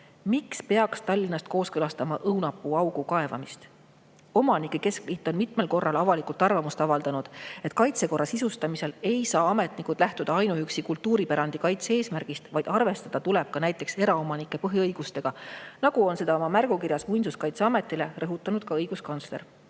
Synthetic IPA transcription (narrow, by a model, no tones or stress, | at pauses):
mikspe̞ɑkst̪ɑlʲːinɑst̪ko̞ːskɤlɑst̪ɑmɑʔɤwnɑpːˑuɑwɡ̥ukɑe̞vɑ̰mist̪ | omɑnikːˑeke̞sklit̪ːˑo̞nmit̪me̞lko̞rːɑlɑvɑlikˑult̪ːˑɑrvɑmust̪ɑvɑld̪ɑnud̪̥e̞t̪ːˑkɑjt̪se̞ko̞rːɑsisust̪ɑmise̞le̞jsɑːɑme̞t̪nikud̪̥læht̪ud̪̥ɑɑjnuyksikult̪ːuːɾipæɾɑnd̪̥ikɑjt̪seeːsmærɡ̥ist̪vɑjd̪̥ɑrve̞st̪ɑd̪̥ɑt̪ule̞b̥̚kɑnæjt̪ːˑe̞kse̞ɾɑo̞mɑnikːˑe̞pɤɦjiɤjɡ̥ust̪e̞ɡ̥ɑnɑɡ̥uo̞nse̞d̪ɑomɑmærɡ̥ukiɾjɑsmujnsuskɑjt̪seɑme̞t̪ˑːile̞rɤɦut̪ːˑɑnud̪̥kɑɤjɡ̥uskɑnt̪sle̞ɾ